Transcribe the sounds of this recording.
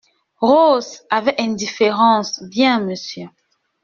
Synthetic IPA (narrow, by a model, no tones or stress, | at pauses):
ʁosavɛʔɛ̃ndifeʁɑ̃sbjɛ̃məsjø